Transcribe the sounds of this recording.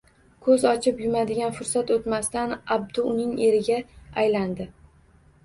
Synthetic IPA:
kʰɵzɒt͡ʃʰɪpjʊmad̪ɪɡʲanfʊɾsat̪ot̪mast̪anab̚d̪ʊʊnɪŋe̞ɾɪɡʲaajland̪ɪ

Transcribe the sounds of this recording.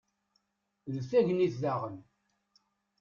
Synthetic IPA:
ðθæʝəniθðaʁən

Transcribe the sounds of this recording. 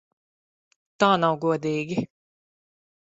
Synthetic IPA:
t̪aːnawɡuɔd̪iːɡi

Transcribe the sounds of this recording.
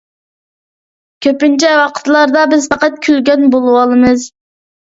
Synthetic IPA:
kʲʰøpynt͡ʃʰɛwɑqʰə̥t̪lˠɑɾd̪ɑbɪzpʰɑqɑt̪̚kʲʰylɡʲɛnbolˠɨwɑlˠɨmɨz

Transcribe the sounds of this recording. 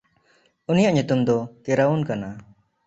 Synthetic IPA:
unijaʔɲut̪umd̪ɔkɛɾaunkana

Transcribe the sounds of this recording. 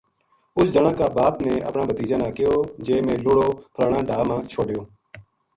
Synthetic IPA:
ʊsd͡ʒəɳəkːaːbaːpnẽːʔə̰pnãːbət̪iːd͡ʒãːnãːkɪjoːd͡ʒeːmẽːlʊɽoːpʰɾaːɳãːɖaːmãːt͡ʃʰoːɖjoː

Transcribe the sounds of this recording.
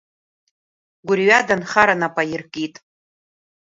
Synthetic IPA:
ɡʷʊrɥadanχaɾanapʼajirkʼitʼ

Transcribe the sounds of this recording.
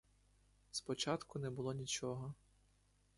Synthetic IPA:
spɔt͡ʃɑt̪kʊnɛbʊlˠɔnʲit͡ʃɔɦɔ

